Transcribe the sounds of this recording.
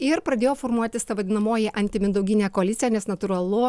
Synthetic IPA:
ɪɾpɾɐd̪ʲeːjoːfoːɾmuɔt̪ʲɪst̪ɐʋɐd̪ʲɪnɐmoːjɪʔɐnʲt̪ʲɪmʲɪd̪ɐʊɡʲɪnʲeːkoɐlʲɪt̪sʲɪjæːnʲɛsnɐt̪ʊɾɐlˠʊ

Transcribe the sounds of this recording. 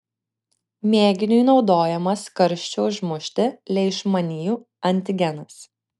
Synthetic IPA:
mʲeːɡʲɪnʲʊjnɒʊd̪oːjɛmɐskɐɾʲʃʲt͡ʃʲoʊʒmʊʃʲt̪ʲɪlʲɛɪʃmɐnʲiːjuː | ɐnʲt̪ʲɪɡʲɛnɐs

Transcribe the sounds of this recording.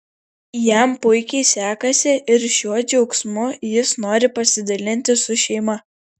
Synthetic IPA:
jæˑmpʊɪkʲɛɪsʲæːkɐsʲɪʔɪɾʃʲuɔd͡ʒʲɛʊksmʊjɪsnoːɾʲɪpɐsʲɪd̪ɐlʲɪnʲt̪ʲɪsʊʃʲɛɪmɐ

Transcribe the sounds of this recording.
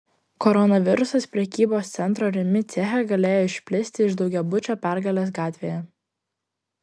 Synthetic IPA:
kɔɾɔnɐʋʲɪɾʊsɐspʲɾʲɛkʲiːboːst̪sʲɛnt̪ɾoːɾʲɪmʲɪt̪sʲɛxʲɛɡɐlʲeːjoːɪʃʲpʲlʲɪsʲt̪ʲɪɪʒd̪ɒʊɡʲɛbʊt͡ʃʲoːpʲæˑɾɡɐlʲeːs̬ɡɑːt̪ʲʋʲeːjɛ

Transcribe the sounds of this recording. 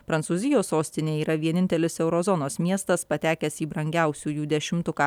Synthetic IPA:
pɾɐnsuːzʲɪjoːsoːsʲt̪ʲɪnʲeːiːɾɐʋʲiɛnʲɪnʲt̪ʲɛlʲɪsɛʊɾɔzɔnoːsmʲiɛst̪ɐspɐt̪ʲæːkʲɛsiːbɾɐŋʲɡʲæˑʊsʲuːjuːd̪ʲɛʃʲɪmt̪ʊkɑː

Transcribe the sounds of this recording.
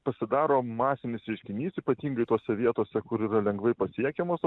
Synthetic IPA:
pɐsʲɪd̪ɑːɾoːmɑːsʲɪnʲɪsɾʲɛɪʃʲkʲɪnʲiːsiːpɐt̪ʲiːŋɡɐɪt̪oːsʲɛʋʲiɛt̪oːsʲɛkʊɾiːɾɐlʲɛŋɡʋɐɪpɐsʲiɛkʲɛmoːs

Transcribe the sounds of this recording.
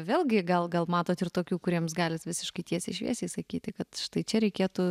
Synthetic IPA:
ʋʲeːlˠʲɡʲɪɡɐlˠɡɐlˠmɑːt̪oːt̪ɪrt̪oːkʲuːkʊɾʲiɛmsɡɑːlʲɪsʋʲɪsʲɪʃkɐɪt̪ʲiɛsʲɪʃʲʋʲḭɛsʲeːsɐkʲiːt̪ʲɪkɐt̪ʃt̪ɐɪt͡ʃʲɛɾʲɛɪkʲeːt̪uː

